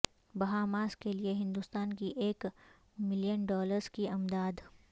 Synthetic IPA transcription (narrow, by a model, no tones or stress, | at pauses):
bɐɦaːmaːskelieɦɪ̃nd̪ust̪aːnkiʔeːk | mɪlijənɖɔːləɾz̥kiɐmd̪aːd̪